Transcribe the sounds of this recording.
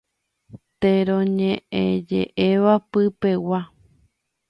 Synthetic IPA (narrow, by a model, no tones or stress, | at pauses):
t̪eɾõɲẽʔẽd͡ʒḛʔeʋapɨpe̞wa